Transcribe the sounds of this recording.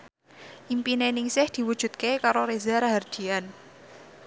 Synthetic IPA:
ʔimpinenɪŋsɪhd̪̥i̤wu̥ʒ̥ṳt̪̚kekaɾoɾezaɾaɦard̪̥i̤an

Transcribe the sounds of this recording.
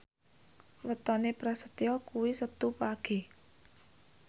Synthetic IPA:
wət̪ɔnepɾasət̪jɔkuwisət̪upaɡ̥e̤

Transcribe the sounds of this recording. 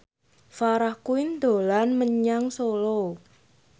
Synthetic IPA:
faɾahkuɪnd̪̥o̤lanməɲaŋsolo

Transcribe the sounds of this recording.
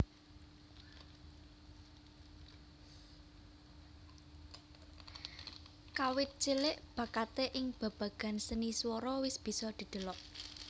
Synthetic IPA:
kawɪt̪̚t͡ʃilɪʔb̥ä̤kat̪eʔɪŋb̥ä̤b̥ä̤ɡ̥a̤nsəniswɔɾɔwɪsb̥i̤sɔd̪̥i̤d̪̥ə̤lɔʔ

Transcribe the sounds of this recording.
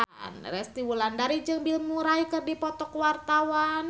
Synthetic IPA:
nrɛst̪iwulandaɾid͡ʒɨŋbilmuɾajkɨrdipɔt̪ɔkwart̪awan

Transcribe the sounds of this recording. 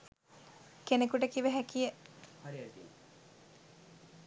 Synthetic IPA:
kenekuʈəkiʋəɦækijə

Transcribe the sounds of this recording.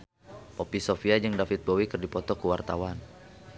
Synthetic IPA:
popisofiad͡ʒɨŋdafit̪̚bowikɨrdipɔt̪ɔkuwart̪awan

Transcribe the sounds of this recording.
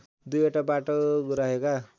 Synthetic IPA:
d̪ujoʈabaʈoɡuɾaɦeka

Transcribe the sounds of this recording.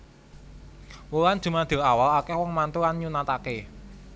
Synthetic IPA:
wowan̥ʒ̥ṳmad̪̥e̤awalakɛhwɔŋmant̪uanɲunat̪ake

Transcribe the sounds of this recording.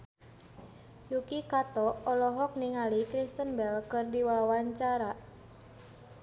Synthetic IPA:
jukikat̪ɔɔlɔɦɔk̚niŋalikɾist̪ənbɛlkɨrdiwawaɲt͡ʃaɾa

